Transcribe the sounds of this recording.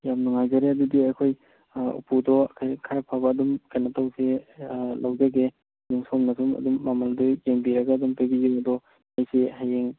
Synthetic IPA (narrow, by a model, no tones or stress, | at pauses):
jamnuŋajzaɾeɐdudiajkʰoj | ṵpʰudɔakʰajkʰaɾpʰabaːdumkajnatawselawzaɡe | juŋsɔmnasumɐ̰dumːamaldɔjeŋbiɾaɡaːdumpaɡizeadɔ | majseɦajeŋ